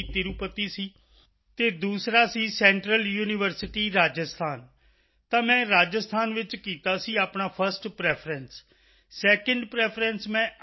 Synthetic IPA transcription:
t̪ɪɾupət̪ːiːsiː | t̪eːd̪uːsɾaːsiːsɛ̃ːɳʈɾəljuːnɪʋəɾsɪʈiːɾaːd͡ʒəst̪ʰaːn | t̪ãːmɛ̃ːɾaːd͡ʒəst̪ʰaːnʋɪt͡ʃkiːt̪aːsiːaːpnaːpʰəɾsʈpɾɛːpʰɾəns | sɛːkə̃ɳɖpɾɛːpʰɾənsmɛ̃ː

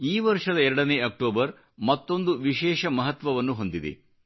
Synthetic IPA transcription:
iːʋɐɾʂɐd̪ɐɛɾɐɽɐneːɐk̚ʈoːbɐɾ | mɐt̪ːo̞nd̪uʋiʃɛːʃɐmɐɦɐt̪ʋɐʋɐnːuɦo̞nd̪id̪ḛ

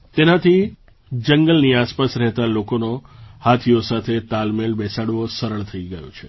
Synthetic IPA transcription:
t̪enat̪ʰi | d͡ʒəŋɡəlniaspasɾɛɦt̪alokonohat̪ʰijosat̪ʰet̪almelbɛsaɽʋosəɾəɭt̪ʰəiɡəjo̰t͡ʃʰe

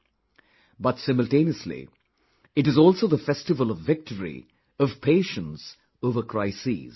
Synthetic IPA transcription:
bʌtsɪ̃məl̩tẽːniəslḭ | ɨʈɨzɔːlˠsoːðəfɛstɨvəlɔvːɪk̚ʈʰəɹḭ | ʌv̥pʰeɪʃə̃ns | oːvəkʰɹ̥aɪsḭz̥

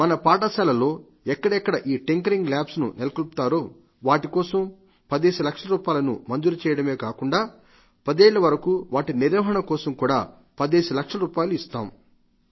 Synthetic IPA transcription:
mɐnɐpaːʈɐsaːlɐlo̞ː | ɛkːɐɽɛkːɐɽɐʔiːʈeŋkɐɾiŋɡlaːpsnṵnelɐkulput̪aːɾoː | ʋaːʈikɔːsɐm | pɐd̪eːsɐlɐkʂɐɾuːpaːjlɐnṵmɐnd͡ʒ̪uɾut͡ʃɛːjɐɽɐmeːkaːkuɳɖaː | pɐd̪eːɭːɐʋɐɾɐkuːʋaːʈiniɾɐːɦɐɳɐkɔːsɐmkuːɽa̰ː | pɐd̪eːsɐlɐkʂɐɾuːpaːjluist̪a̰ːm

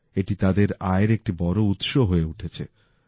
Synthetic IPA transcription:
eʈit̪ad̪eɾaeɾek̚ʈibɔɾout̪ʃoɦoeuʈʰet͡ɕʰḛ

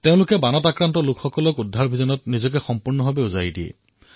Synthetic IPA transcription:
teʊ̃lʊkɛbanɔtakɹantɔlʊkʰxɔkɔlɔkudʱːaɹbʱizɔnɔtnizɔkɛxɔmpuɹnɔɦɔbɛuzajdiɛ̰

